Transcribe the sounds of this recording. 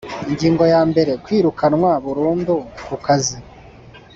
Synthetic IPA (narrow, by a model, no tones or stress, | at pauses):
iɲɟiːŋɡo̞jaːmbe̞ɾe̞kwiːɾukʰanŋwaβuɾuːndukukazi